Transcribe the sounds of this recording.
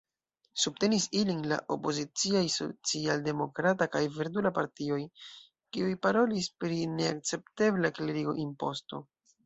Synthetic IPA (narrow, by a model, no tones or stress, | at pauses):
sub̚te̞nisilinla̰ʔo̞po̞zit͡siajso̞̰t͡sialde̞mo̞kɾatakajveɾdulapaɾtio̞j | kiujpaɾo̞lispɾine̞a̰k̚t͡se̞p̚te̞blakleɾiɡo̞̰ʔinpo̞sto̞̰